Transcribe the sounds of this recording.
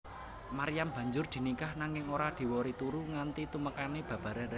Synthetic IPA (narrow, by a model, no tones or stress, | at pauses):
maɾijamb̥ä̤ɲd͡ʒʊrd̪̥i̤nikahnaŋɪŋoɾad̪̥i̤wɔɾit̪uɾuŋant̪it̪uməkaneb̥ä̤b̥a̤ɾa